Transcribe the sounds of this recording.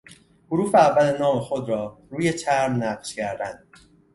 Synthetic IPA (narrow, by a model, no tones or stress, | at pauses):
hoɾuːfeævːælenɒːme̞xod̪ɾɒːɾuːje̞t͡ʃʰæɾmnæfʃcʰæɾd̪ænd̪̥